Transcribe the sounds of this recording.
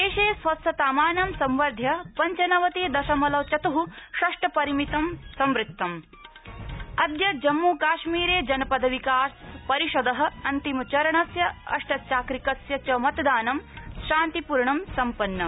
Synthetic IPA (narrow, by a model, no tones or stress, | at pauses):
eːʃeːsʋɐsʰɐt̪aːmaːnɐmsɐ̃mʋɐɾd̪ʱjɐpɐɲt͡ʃɐnɐʋɐt̪eːd̪ɐʃɐmɐlɐʋt͡ʃɐt̪uɦuʃɐʂʈɐpɐɾimit̪ɐmsɐmɾɪt̪ʰːɐm | ɐd̪jɐd͡ʒɐmːuːkaːʃmiːɾeːd͡ʒɐnɐpɐd̪ʱɐʋikaːspɐɾiʃɐd̪ɐɦɐ̆ɐnt̪imɐt͡ʃɐɾɐɳɐsjɐɐ̰ʂʈɐt͡ʃaːkɾikɐsjɐt͡ʃɐmɐt̪d̪aːnɐmʃaːnt̪ipuɾɳɐmsɐmpɐnːɐ